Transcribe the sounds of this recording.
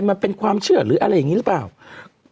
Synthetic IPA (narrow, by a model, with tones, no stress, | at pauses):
nma˧npe˧nkʰwaː˧mt͡ɕʰɯ˥˩ɐɾɯː˩˦ʔa̰˧ɾa˧jːa˨ŋiː˦˥ɾɯ˦˥plaː˨˩w